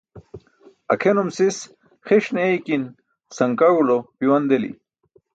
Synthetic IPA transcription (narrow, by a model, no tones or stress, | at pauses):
ɐ̰kʰenumsis | xeʂnejkin | sɐŋkaɻulopiwɐnd̪elḭ